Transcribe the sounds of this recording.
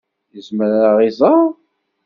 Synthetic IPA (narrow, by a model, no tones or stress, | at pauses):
jəzməɾaʁizˤɑ